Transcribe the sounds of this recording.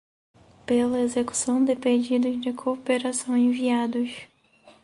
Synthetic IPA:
pelɐezeku̥sɐ̃w̃d̪ɪped͡ʒid̪ʊzd͡ʒɪkʰopeɾasɐ̃w̃ẽviad̪ʊs

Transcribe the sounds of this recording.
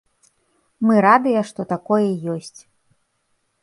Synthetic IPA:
mɨɾad̪ɨjɐʂt̪ɔt̪akɔjɐjɔsʲt͡sʲ

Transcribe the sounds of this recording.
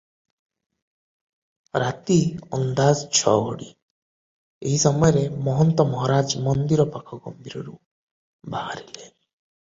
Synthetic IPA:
ɾat̪iɔnd̪ad͡ʒt͡ʃʰɔ̰ɦɔ̰ɽi | eɦisɔmɔjɔɾemɔɦɔnt̪ɔmɔɦɔɾad͡ʒmɔnd̪iɾɔpakʰɔɡɔ̰mbiɾɔɾu | baɦaɾile

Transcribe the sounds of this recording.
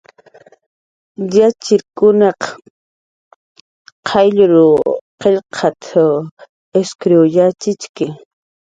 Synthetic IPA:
jat͡ʃɪɾkʊnɑq | qʰɑjʎʊɾʊqeʎqʰɑt̪ʰa | eskɾewjat͡ʃɪt͡ʃkɪ

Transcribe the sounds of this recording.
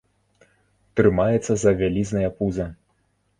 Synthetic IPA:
t̪ɾɨmajɛt̪sːɐzɐvʲalʲiznɐjɐpuzɐ

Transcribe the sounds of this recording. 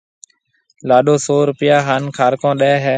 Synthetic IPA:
laːɗoːsoːɾʊpɪjaːɦaːnkʰaːɾkõːɗeːɦɛː

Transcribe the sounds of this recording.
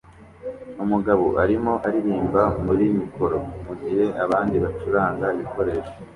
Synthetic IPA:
umuɡaβo̰ʔaɾimo̞ʔaɾiɾiːmbamuɾimiko̞ɾo̞muɡiɾe̞ʔaβaːndiβat͡ʃuɾaːŋɡaiβiko̞ɾe̞ːʃo̥

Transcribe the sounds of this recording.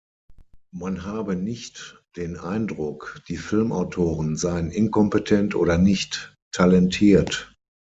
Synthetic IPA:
manɦaːbənɪçtd̥eːnʔaɪndʁʊkd̥iːfɪlmʔaʊtʰoːʁənzaɪənʔɪnkʰɔmpətʰɛntʔo̰ːdɐnɪçtʰː | alɛntʰiːɐt

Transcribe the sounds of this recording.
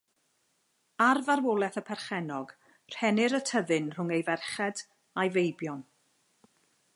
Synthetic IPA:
arvarwolˠɛθəpʰɛrχɛnɔɡ | r̥hɛnɪɾətʰəðɨnr̥ʊŋejvɛrχɛd | ajvejbjɔn

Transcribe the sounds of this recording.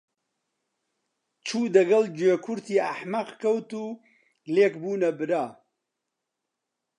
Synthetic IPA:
t͡ʃʰuːd̪ɐɡɐld͡ʒeːkʰʊɾt̪ʰiːaħmɐqkʰɐwt̪uː | leːkbuːnɐbɨɾaː

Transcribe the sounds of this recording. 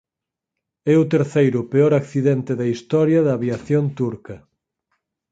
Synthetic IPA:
ɛʊt̪eɾθejɾʊpeɔɾakθiðɛnt̪ɪðɐist̪ɔɾjɐðɐːβjaθjont̪uɾkɐ

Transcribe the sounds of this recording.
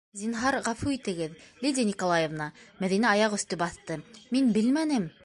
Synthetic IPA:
zʲinɦɑɾʁɑfuit̪ɘ̆ɡɘðlʲid̪ʲinʲikolˠɑjevnɑmæðinæɑjɑqɵ̆θt̪ɵbɑθt̪ɤminbɘlmænɘm

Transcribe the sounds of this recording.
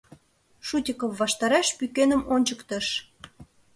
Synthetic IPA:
ʃutʲəkəmːɑʃt̪ɑɾɑʃpykenəmonʲt͡ɕəkt̪ə̆ʃ

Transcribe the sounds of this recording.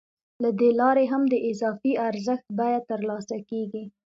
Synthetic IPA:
lad̪elɑɾeɦamd̪əʔɪzɑfiaɾzəxt̪̚bajat̪əɾlɑsakeɡi

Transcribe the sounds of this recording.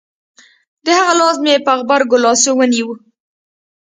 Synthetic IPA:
d̪əhaɣalɑzmepəaɣbaɾɡʊlɑsowəniw

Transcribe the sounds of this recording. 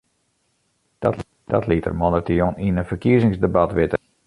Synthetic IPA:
d̥ | d̥ɔtlitə̰rmonətijoninənfərkiəzɪŋsdəbatʋɪtə

